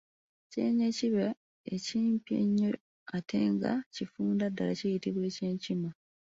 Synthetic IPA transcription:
cḛːɲeciβa | eciːmpjḛɲːo | atʰeːŋɡa̰cifuːndadːalacejitiβwe̞ːceːɲcima

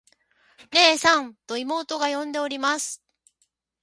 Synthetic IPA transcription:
ne̞ːsãnt̪o̞imo̞ːt̪o̞ɡajõ̞nd̪e̞oɾʲimasɨ̥

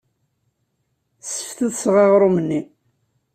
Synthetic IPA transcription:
sə̥fθəðsʁɑʁɾˤumənːi

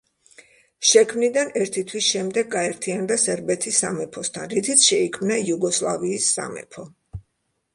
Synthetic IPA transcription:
ʃɛkʰmnid̪anɛɾt̪ʰit̪ʰwisʃɛmd̪ɛɡːaɛɾt̪ʰiand̪asɛɾbɛt̪ʰisːamɛpʰɔst̪ʰanɾit̪ʰit̪sʰʃɛikʰmnajuɡɔslˠaviːsːa̰mɛ̰pʰɔ

